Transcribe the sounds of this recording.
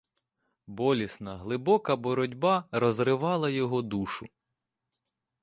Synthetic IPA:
bɔlʲisnɐɦlˠɪbɔkɐbɔɾɔdʲbɑɾɔzrɪʋɑlˠɐjɔɦɔd̪uʃʊ

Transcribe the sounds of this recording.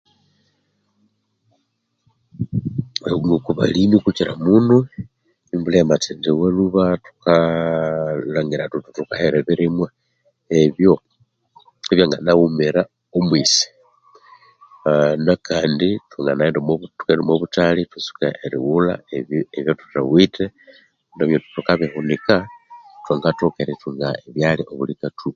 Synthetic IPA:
ŋokuβa̰limikuciɾa̰munu | imbulematindiweluβatu̥ka | laŋɡiɾatututukaheɾeβiɾimwa | eβjo | eβjaŋɡanawumeɾa | omwisi̥ | nakaːnditwoŋɡanaendomotukenomwoβutalitusu̥ka̰ʔeɾḭwula̰eeβjotu̥ta̰wite | ndoβjotutukaβihunikatwoŋɡatokaeɾituŋɡaeβjaliʔoβulikatʰu

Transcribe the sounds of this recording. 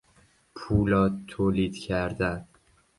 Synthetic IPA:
pʰulɒt̪ʰolit̪kʲʰaɾd̪a

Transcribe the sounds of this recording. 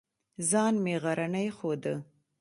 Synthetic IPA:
zɑnmeɣaɾanəjxod̪ə

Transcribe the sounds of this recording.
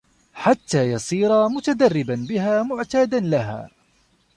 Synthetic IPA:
ħat̪ːaːjɑsˤiːɾamʊt̪ad̪arːɪbanbɪɦaːmʊʕt̪aːd̪anlaɦa̰ː

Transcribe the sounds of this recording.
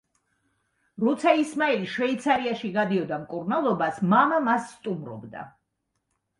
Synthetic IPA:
ɾɔt̪sʰaismaɛliʃvɛit̪sʰaɾiaʃiɡad̪iɔd̪amkʼuɾnalˠɔbasmamamasːt̪ʼumɾɔ̰bd̪a̰

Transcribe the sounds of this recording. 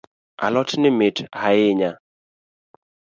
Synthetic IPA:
ʔa̰lɔtnɪmɪtʰhajɪɲa

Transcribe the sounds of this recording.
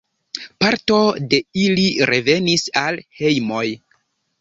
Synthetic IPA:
paɾto̞de̞iliɾe̞ve̞nisalhe̞jmo̞j

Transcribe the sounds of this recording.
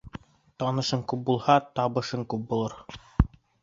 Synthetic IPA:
t̪ɑnɤ̆ʃɤŋkʉp̚bulˠhɑt̪ɑβɤ̆ʃɤŋkʉp̚bulˠɤɾ

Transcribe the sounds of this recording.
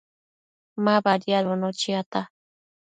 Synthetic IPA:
mabaɾjalonot͡ʃiat̪a

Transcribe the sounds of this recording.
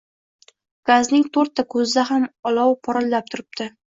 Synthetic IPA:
ɡ̥aznɪŋt̪ʰɵɾt̪ʰːakʰɵzd̪aɦamɒlɒwpʰɒɾɒlːap̚t̪ʰʊɾɪp̚t̪ɪ

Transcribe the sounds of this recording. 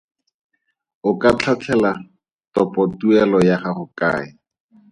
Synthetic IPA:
ʊkat͡ɬʰat͡ɬʰɛla | tɔpʼɔtuɛlɔjaχaχʊka̰ːɪ

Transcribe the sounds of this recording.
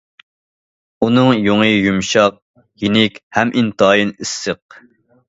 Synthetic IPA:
unɨŋjoŋɨjumʃɑq̚ | jinɪkʲhɛmʔint̪ʰɑːjinɪsːəq̚

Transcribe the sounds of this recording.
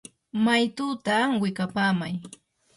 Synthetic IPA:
majt̪uːt̪aːŋwɪkapaːmaj

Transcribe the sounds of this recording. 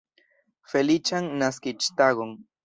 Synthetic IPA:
felit͡ʃaŋnaskɪt͡ʃt̪aɣoŋ

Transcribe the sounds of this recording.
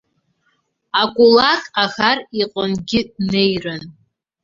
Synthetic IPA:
akʷʼulakʼaxariqʷʼʊnɡʲɪnejrɨn

